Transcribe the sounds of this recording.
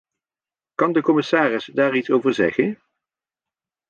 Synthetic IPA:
kɑndəkɔmɪsaːrɪsdaːɹitsowvəɹzɛ̰χən

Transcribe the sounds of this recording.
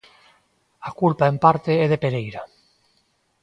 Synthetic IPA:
akulpaempaɾt̪eɛðepeɾejɾa

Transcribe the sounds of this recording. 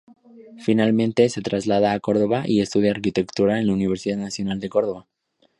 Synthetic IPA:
finalmẽ̞nt̪e̞se̞t̪ɾazlað̞aːko̞ɾð̞o̞βaʔie̞st̪uð̞jaːɾkit̪e̞kt̪uɾaenlauniβ̞e̞ɾsiðaðnasjo̞nald̪e̞ko̞ɾð̞o̞βa

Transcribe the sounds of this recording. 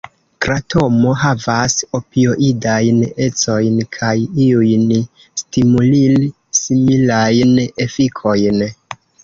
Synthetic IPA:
kɾatʰo̞mo̞ɦavaso̞pio̞ʔidajne̞t͡so̞jnkʰajiujn | stimulil | similajnefikʰo̞jn

